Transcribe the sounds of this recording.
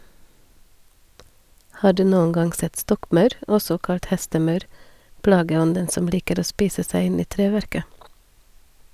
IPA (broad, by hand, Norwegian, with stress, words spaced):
ˈhɑː ˈɖʉː ˈnuːən ˈɡɑŋɡ ˈsɛt ˈstɔkˌmɑʉɾ ˈɔsɔ ˈkɑlt ˈhɛstəˌmɑʉɾ ˈplɑːɡəˌɔndən ˈsɔm ˈliːkəɾ ˈoː ˈspiːsə ˈsæɪ ˈɪn ˈiː ˈtɾeːˌʋɛɾkə